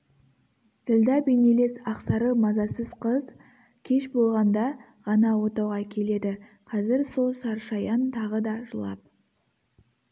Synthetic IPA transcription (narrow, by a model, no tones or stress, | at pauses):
t̪ʰɪld̪ɑbejnele̞sɑqsɑɾəmɑzɑsəz̥qʰəz | kʲʰe̞ʃbo̞lˠʁɑnd̪ɑ | ʁɑnɑwo̞t̪ɑwʁɑkʲʰe̞le̞d̪ɪ | qʰɑzɪɾsosɑɾʃɑjɑnt̪ʰɑʁəd̪ɑʒəlˠɑ̰p̚